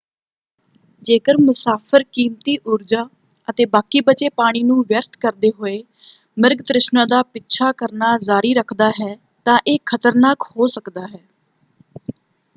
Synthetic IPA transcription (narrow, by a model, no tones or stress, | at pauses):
d͡ʒeːkəɾmʊsaːpʰəɾkiːmt̪iːʔʊɾd͡ʒaː | ət̪eːbaːkiːbət͡ʃeːpaːɽ̃iːnũːʋjəɾt̪ʰkəɾd̪eːɦoːeː | mɪɾɡd̪ɾɪʃnãːd̪aːpɪtːʃʰaːkəɾnaːzaːɾiːɾəkʰd̪aːɦɛː | t̪ãːʔeːkʰət̪əɾnaːkhoːsəkd̪aːɦɛː